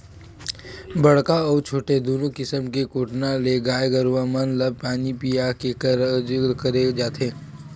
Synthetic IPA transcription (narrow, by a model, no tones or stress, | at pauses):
bɐɽkaɔːɾt͡ʃʰoːʈed̪oːnõkɪsəmkekoːʈnaleɡaːjɡəɾʋamənlɐb̚paːnipijake | kəɾed͡ʒaːt̪ẽː